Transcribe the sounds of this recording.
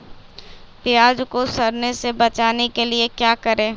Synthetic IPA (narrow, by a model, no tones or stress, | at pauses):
pɪjaːd͡ʒkosɐɾnesebɐt͡ʃaːnekeliekjaːkɐɾẽː